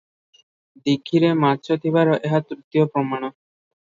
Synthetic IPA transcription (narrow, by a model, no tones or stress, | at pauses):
d̪iɡʰʱːiɾemaʃot̪ʰibaɾoʔeɦat̪ɾut̪ijopɾɔmaɽ̃ɔ